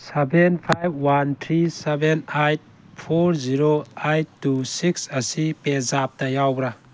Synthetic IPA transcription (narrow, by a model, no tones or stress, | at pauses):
sebenpʰajb̚wantʰɾisebenajt̚ | pʰoɾziɾoajttːusiksɐsipezap̚dɐjawbɾa